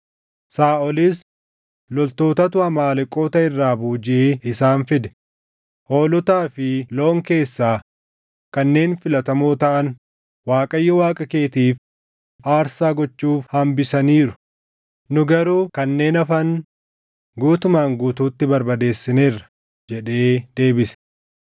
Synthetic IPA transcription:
saːʔɔlɪs | lɔlt̪o̞ːt̪ɐt̪ʊɐmaːlɪkʼːo̞ːt̪ɐɪrːaːbuːd͡ʒɪʔeːɪsaːnfɪd̪ɛ̥ | ʔo̞ːlɔt̪aːfɪloːŋke̞ːsːaː | kɐnːe̞ːnfɪlɐt̪ɐmoːt̪ɐʔɐn | waːkʼɐjːɔwaːkʼɐke̞ːt̪iːf | aːɾsaːɡɔt͡ʃːuːfhɐmbɪsɐniːɾʊ | nʊɡɐɾuːkɐnːe̞ːnɐfɐn | ɡuːt̪ʊmaːŋɡuːt̪uːt̪ːɪbɐɾbɐd̪e̞ːsːɪneːrːɐ̥ | d͡ʒɛᶑe̞ːd̪e̞ːbɪsɛ̥

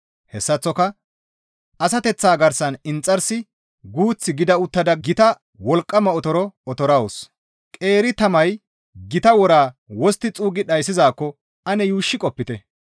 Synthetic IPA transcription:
hɛsːɐt͡sːɔkɐ | ʔɐs̬ɐt̪ɛt͡sːaːɡɐɾsɐnɪnt͡sʼːɐɾsɪ | ɡuːt͡sːɪɡɪd̪ɐʊt̪ːɐd̪ɐɡɪt̪ɐ | wɔlkʼːɐmɐɔt̪ɔɾɔɔt̪ɔɾɐws | kʼe̞ːɾɪt̪ɐmɐj | ɡɪt̪ɐwɔɾaːwɔst̪ːɪt͡sʼuːɡɪɗɐjsːɪzaːkːɔ | ɐnɛjuːʃːɪkʼɔpːɪt̪ɛ

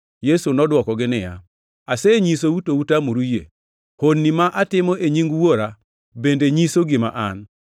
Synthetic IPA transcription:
jesunɔdwɔkɔɡɪnɪja̰ | aseɲis̬outoutamoɾujḛ | honːimaʔatɪmɔʔeɲiŋɡwoɾa | bendeɲisoɡɪma̰ʔan

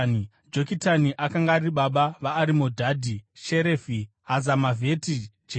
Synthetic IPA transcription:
d͡ʒo̞kitaniʔakaŋɡaːɾiɓaɓaʋaːɾimodʱadʱiʃe̞ɾeːfi | ɦazamavʱe̞ti | d͡ʒe

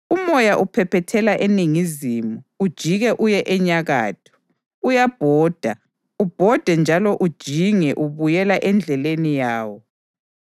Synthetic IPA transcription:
umɔjaʔupʰɛpɛtʰɛlaʔeniŋizimuːd̥ʒ̥ʱiɣɛʔujɛʔɛɲaɣa̰ːtʰɔ̥ | ujab̥ʱɔːd̥ʱa | ub̥ʱɔd̥ʱɛnd͡ʒʱalɔʔud̥ʒ̥ʱiŋɛʔuβujɛlaʔɛnd͡ɮʱɛlenijaːwɔ

